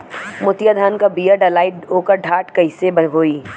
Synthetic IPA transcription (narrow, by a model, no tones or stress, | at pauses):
mʊt̪jad̪ʱaːnkabijaɖɐlaːɪʈ̚ɦoːkəɾɖʱaːʈkɐɪsebɐɦoːiː